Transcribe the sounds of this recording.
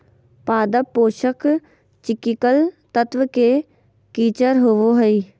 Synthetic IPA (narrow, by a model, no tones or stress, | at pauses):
paːd̪əpːoːʃək | t͡ʃɪkikəlt̪ət̪ʋəkeː | kiːt͡ʃəɾɦoːʋoɦəiː